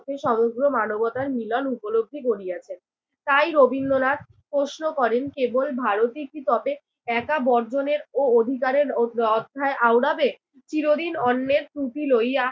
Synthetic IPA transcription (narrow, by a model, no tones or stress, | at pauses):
t̪ʰeʃɔmoɡɾomanobɔt̪aɾmilɔnupoloɡ̚d̪ʱikoɾiat͡ɕʰen | t̪ajɾobʱinːonat̪̚ | pɾoʃnokɔɾenkebolbʱaɾot̪ikit̪ɔbe | ɛkabɔɾd͡ʑoneɾood̪ʱikaɾeɾɔd̪ʱːaeʔawɽabe | t͡ɕiɾod̪inɔnːeɾt̪ɾupiloja